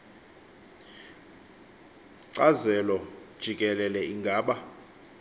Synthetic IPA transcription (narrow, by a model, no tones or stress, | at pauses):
ǀazɛlɔd̥ʒ̥ʱikʼɛlɛlɛiŋɡʱaːɓa